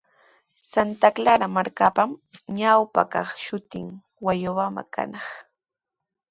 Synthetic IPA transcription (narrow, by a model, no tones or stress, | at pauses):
sant̪aklaɾamaɾkapamɲawpa̰kɑχʃʊt̪ɪ̰ŋ | wajʊwama̰ka̰nɑχ